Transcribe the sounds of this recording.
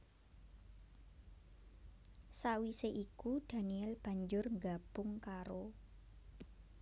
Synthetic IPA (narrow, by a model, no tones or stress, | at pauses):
sawiseʔikud̥a̤niɛlb̥a̤ɲd͡ʒʊrŋɡab̥ʊŋkaɾo